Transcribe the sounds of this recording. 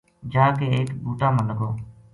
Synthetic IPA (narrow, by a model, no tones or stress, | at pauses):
d͡ʒaːkeːeːkbuːʈaːmənəɡoː